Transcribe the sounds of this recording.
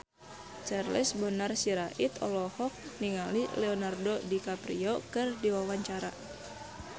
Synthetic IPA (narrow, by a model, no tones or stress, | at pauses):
t͡ʃarlisbɔnarsiɾaʔit̪ɔ̰lɔhɔk̚niŋalilɛonardodikaprḭokɨrdiwawaɲt͡ʃaɾa